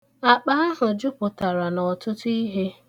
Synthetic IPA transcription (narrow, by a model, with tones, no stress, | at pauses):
a˨k͡pa˦a˦ɦʊ˨d͡ʒʊ˦pʊ˨ta˨ɾa˨nɔ˨tʊ˦tʊ˦i˦ɦe˦